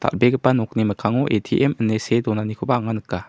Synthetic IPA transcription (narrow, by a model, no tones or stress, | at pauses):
t̪a̰lbeɡəpːanɔk̚niməkʰaŋɔʔetʰiʔɛmənːesedɔnanikʰɔbaːŋanɯkːa